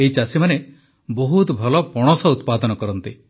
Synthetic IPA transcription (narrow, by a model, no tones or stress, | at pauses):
eit͡ʃasimane | boɦut̪ɔbʱɔlɔpɔɽ̃ɔsɔut̪̚pad̪ɔnɔkɔɾɔnt̪i